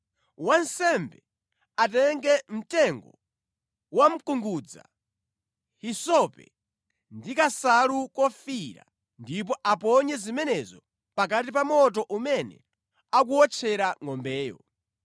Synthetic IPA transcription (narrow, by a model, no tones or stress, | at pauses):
wansɛmbɛ | atɛŋɡɛm̩tɛŋɡɔ | wam̩kuŋɡud͡za̰ | hisɔpɛ̰ | ndikasalukɔfiɾa̰ | ndip̬ɔʔapɔɲɛzimɛnɛzɔ | pak̬at̬ip̬amɔt̬ɔʔumɛnɛ̰ | ak̬uɔt͡ʃʰɛɾaŋɔmbɛːjɔ̰